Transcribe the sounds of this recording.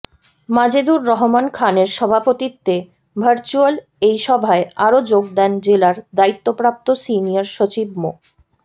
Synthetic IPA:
mad͡ʑed̪uɾːɔɦomankʰaneɾʃɔbʱapot̪it̪ːe | bʱəɾt͡ɕual | ejʃɔbʱaeaɾod͡ʑoɡ̚d̪ɛnd͡ʑelaɾd̪ait̪ːopɾap̚t̪osinijaɾʃot͡ɕib̚mo

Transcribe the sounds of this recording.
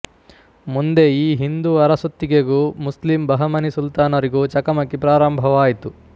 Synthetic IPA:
mund̪e̞iːɦind̪uɐɾɐsut̪ːiɡeɡuːmuslimbɐɦɐmɐnisult̪aːnɐɾiɡuːt͡ʃɐkɐmɐkːipɾaːɾɐmbʱɐʋaːjit̪u

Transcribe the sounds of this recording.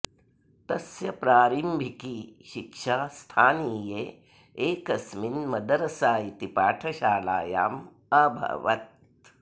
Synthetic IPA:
t̪ɐsjɐpɾaːɾimbʱikiʃikʃaːst̪ʰaːniːjeː | eːkɐsminmɐd̪ɐɾɐsaːjit̪ipaːʈʰɐʃaːla̰ːja̰ːm | ɐbʱɐ̰ʋɐ̰t̪̚

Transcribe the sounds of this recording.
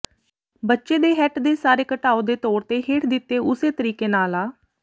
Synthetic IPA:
bətːʃeːd̪eːɦɛːʈd̪eːsaːɾeːkəʈaːoːd̪eːt̪ɔːɾt̪eːɦeːʈʰd̪ɪt̪ːeːʔʊseːt̪əɾiːkeːnaːlaː

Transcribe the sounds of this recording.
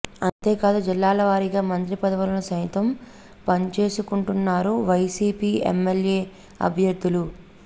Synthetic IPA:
ɐnt̪e̞ːkaːd̪ud͡ʒilːaːlɐʋaːɾiɡaːmɐnt̪ɾipɐd̪ɐʋulɐnɐsɐjt̪ɐm | pɐnt͡ʃe̞ːsukuɳʈunːaːɾuʋɐjsiːpiːḛmːelje̞ː | ɐ̰bʱjɐɾd̪ːulu

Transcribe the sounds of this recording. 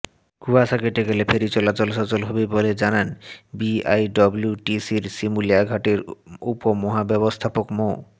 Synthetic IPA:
kuasaɡeʈeɡelepʰeɾit͡ɕɔlat͡ɕolʃɔt͡ɕolɦɔbeboled͡ʑananbiajɖɔbljuʈisiɾsimuliaɡʱaʈeɾupomɔɦabɛbost̪ʰapokmo

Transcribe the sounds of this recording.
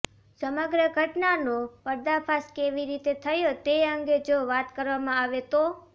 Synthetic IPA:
səməɡɾəɡʱəʈnanopəɾd̪apʰaskeʋiɾit̪et̪ʰəjot̪eəŋɡed͡ʒoʋat̪kəɾʋamãaʋet̪o

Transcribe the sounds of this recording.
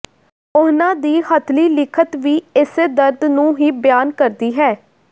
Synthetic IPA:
ʊɦnãːd̪iːhət̪ʰliːlɪkʰət̪ʋiːɪsd̪əɾd̪nũːɦiːbjaːnkəɾd̪iːɦɛː

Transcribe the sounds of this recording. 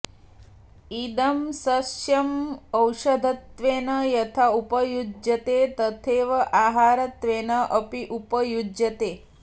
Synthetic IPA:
id̪ɐmsɐsjɐmɐwʃɐd̪ʱɐt̪ʋeːnɐjɐt̪ʰaːupɐjud͡ʒjɐt̪eːt̪ɐt̪ʰeːʋɐʔaːɦaːɾɐt̪ʋeːnɐʔɐpiʔupɐjud͡ʒjɐt̪eː

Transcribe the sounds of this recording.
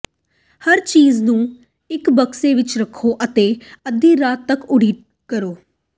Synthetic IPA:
həɾt͡ʃiːznũː | ɪkbəkseːʋɪt͡ʃɾəkʰːoːʔət̪eːəd̪ĩːɾaːt̪ːəkʊɽiː | kəɾoː

